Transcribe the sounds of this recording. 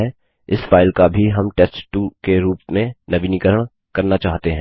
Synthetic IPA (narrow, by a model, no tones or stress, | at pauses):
ɛ | ɪsfaːɪlkabʱiɦɐmʈɛsʈʈukeɾuːpmẽnɐʋinɪkəɾəɽ̃ | kɐɾnat͡ʃaːɦt̪eɦɛ̃ː